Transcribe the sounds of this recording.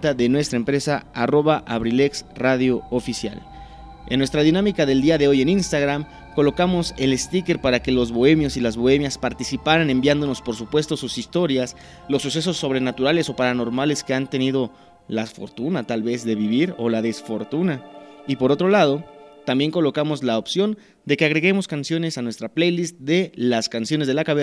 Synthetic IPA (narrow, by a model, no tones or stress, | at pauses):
t̪aðe̞nwe̞st̪ɾaempɾe̞saaro̞βaʔaβɾile̞ksraðjo̞ːfisja̰l | e̞nːwe̞st̪ɾaðinamikaðe̞ld̪iaðe̞o̞je̞ninst̪aɣɾam | ko̞lo̞kamo̞se̞le̞st̪ike̞ɾpaɾake̞lo̞zβo̞e̞mjo̞silazβo̞e̞mjaspaɾt̪isipaɾane̞mbjand̪o̞no̞spoɾsupwe̞st̪o̞susist̪o̞ɾjas | lo̞sːus̬e̞s̬o̞sːo̞β̞ɾe̞nat̪uɾale̞so̞paɾano̞ɾmale̞ske̞ant̪e̞niðo̞ | lafo̞̰ɾt̪unat̪alβe̞zðe̞βiβiɾo̞laðe̞sfo̞ɾt̪unaipo̞ɾo̞t̪ɾo̞lað̞o̞t̪ambje̞ŋko̞lo̞kamo̞zlaopsjo̞n | d̪e̞ke̞aɣɾe̞ɣe̞mo̞skansjo̞ne̞sanwe̞st̪ɾaplejlist̪̚d̪e̞laskansjo̞ne̞zðelakaβe